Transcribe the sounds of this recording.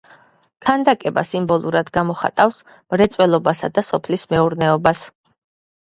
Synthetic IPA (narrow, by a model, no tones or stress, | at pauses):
kʰand̪akʼɛba̰simbɔlˠuɾad̪ɡamɔχa̰t̪ʼafs | mɾɛt̪sʼwɛlˠɔbasad̪asɔpʰlismɛuɾnɛɔbas